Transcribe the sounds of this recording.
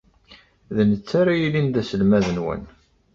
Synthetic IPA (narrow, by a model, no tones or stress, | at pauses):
ðənət͡sːaɾajilind̪æsəlmæðənwə̰n